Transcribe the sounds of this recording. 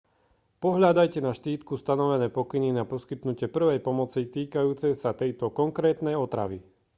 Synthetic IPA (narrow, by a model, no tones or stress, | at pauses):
pɔɦʎad̪ajcɛnaʃt̪iːt̪kust̪anɔʋɛnɛːpɔkininapɔskit̪nucɪɛpr̩ʋɛjpɔmɔt͡sit̪iːkajuːt͡sɛsat̪ɛjt̪ɔkɔŋkɾɛːt̪nɛjɔt̪ɾa̰ʋi